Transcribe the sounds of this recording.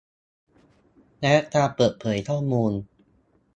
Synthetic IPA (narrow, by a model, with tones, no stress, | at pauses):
nɛ˦˥ʔat̪aː˧pɤː˨˩t̪̚pʰɤː˩˦jt̪ʰɔː˥˩muː˧n